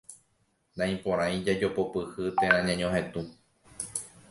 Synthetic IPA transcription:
nãj̃põ̞ɾ̃ãj̃d͡ʒad͡ʒo̞popɨhɨt̪ẽɾ̃ãɲãɲõhẽ̞t̪u

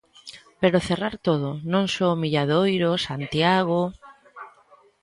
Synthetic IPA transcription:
peɾoθeraɾt̪oð̞onõŋsoomiʎaðojɾosant̪jaɣo

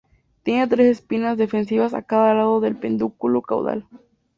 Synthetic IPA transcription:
t̪jenat̪ɾesespinazðe̞fe̞ns̬iβasa̰kaðalaðoðe̞lpend̪ukuloka̰wða̰l

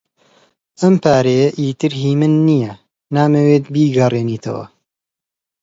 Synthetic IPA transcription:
ɐmpʰaːɾejɐʔiːt̪ɨɾɦiːmɨnːijɐ | naːmɐweːt̪̚biːɡɐreːniːt̪ʰɐ̰wɐ̰

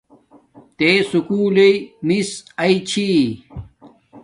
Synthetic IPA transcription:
t̪esukuːlemisɐit͡ɕʰi

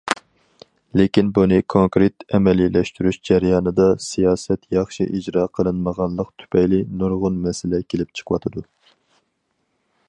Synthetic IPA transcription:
lekʲinbunɨkʰoŋkɾet̪ɛmɛlilɛʃt̪yɾyʃd͡ʒɛɾjɑːnɨd̪ɑsijɑːsɛt̪jɑχʃḭʔid͡ʒɾɑːqʰəlˠɨnməʁɑnlˠəqt̪ʰy̥pʰɛjlɪnuɾʁʊnmɛsɪlɛkʲʰelɪp̚t͡ʃʰə̥qwɑt̪ʰɨd̪u

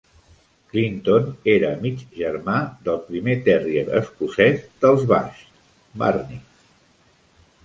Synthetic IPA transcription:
klint̪oneɾəːmid͡ʒʒəɾmad̪əlˠpɾimet̪ɛrieɾə̰skusɛzd̪əlˠzβa̰ʃ | ba̰rni

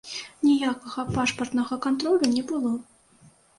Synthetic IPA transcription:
nʲijakɐɣɐpaʂpɐrt̪nɐɣɐkant̪ɾɔlʲunʲɛbɨlˠɔ

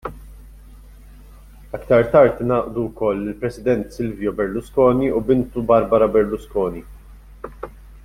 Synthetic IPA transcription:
ɐkt̪ɐɾt̪ɐɾt̪nɐːʔd̪uwkɔlːɪlpɾɛsɪd̪ɛnt̪sɪlvjɔbɛɾlʊskɔːniubɪnt̪ubɐɾbɐɾɐbɛɾlʊskɔːni

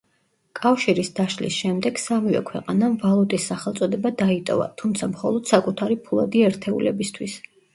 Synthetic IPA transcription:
kʼafʃiɾisd̪aʃlḭsʃɛmd̪ɛɡ̥samivɛ̰kʰwɛqʼanamvalˠut̪ʼisːaχɛlˠt̪sʼɔd̪ɛbad̪ait̪ʼɔ̰va̰t̪ʰumt̪sʰamχɔlˠɔd̪̥sakʼut̪ʰaɾipʰulˠa̰d̪iɛɾt̪ʰɛṵlɛbist̪ʰwis

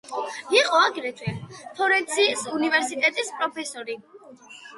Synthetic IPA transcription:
iqʼɔaɡɾɛt͡ʃ̪ʰʼɛlt̪ʰɔɾɛnt̪sʰiːsunivɛɾsit̪ʼɛt̪ʼispʼɾɔpʰɛsɔɾi

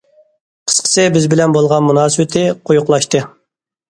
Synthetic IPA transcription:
qʰə̥sqʰə̥sɨbɪzbɪlɛnbolˠʁɑnmunɑːsɨwɪt̪ʰɪqʰojʊqlˠɑʃt̪ɨ

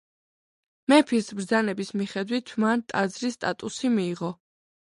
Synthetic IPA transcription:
mɛpʰiɾsbɾd̪zanɛbismiχɛd̪wit̪ʰmant̪ʼad̪zɾist̪ʼa̰t̪ʼusimiːʁɔ

